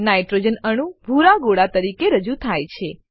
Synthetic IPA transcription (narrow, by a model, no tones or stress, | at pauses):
najʈɾod͡ʒənəɽ̃ũbʱuɾaɡoɽat̪əɾikeɾəd͡ʒut̪ʰajt͡ʃʰe